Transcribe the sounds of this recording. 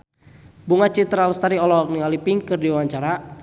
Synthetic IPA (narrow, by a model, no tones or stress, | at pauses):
buŋat͡ʃit̪ɾalst̪aɾiɔlɔk̚niŋalipiŋkɨrdiwaɲt͡ʃaɾa